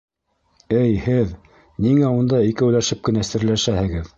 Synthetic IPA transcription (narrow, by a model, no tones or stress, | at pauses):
ɘjhɘð | niŋæund̪ɑikɘulæʃɘp̚kɘ̆næsɘ̆ɾlæʃæhɘ̆ɡɘð